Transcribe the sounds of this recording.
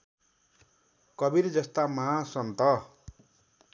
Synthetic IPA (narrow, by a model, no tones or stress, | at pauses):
kʌbiɾd͡zʌst̪amaɦãsʌnt̪ʌ